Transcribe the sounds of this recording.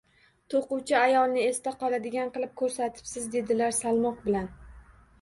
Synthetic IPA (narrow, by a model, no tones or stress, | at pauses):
t̪ʰoqʊwt͡ʃʰɪajɒlˠnɪest̪aqɒlˠad̪ɪɡʲanqɨlˠɪp̚kʰɵɾsat̪ʰɪ̥psɪzd̪e̞d̪ɪlaɾsalˠmɒq̚bɪlan